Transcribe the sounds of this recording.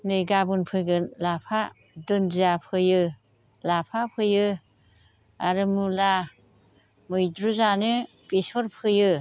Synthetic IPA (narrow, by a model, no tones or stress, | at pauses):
nɯjɡabunpʰɯjɡɯnlapʰa | dɯnzapʰɯjɯ | lapʰapʰɯjɯ | aɾɯmula | mɯjdɾuzanɯ | bisɔɾpʰɯjɯ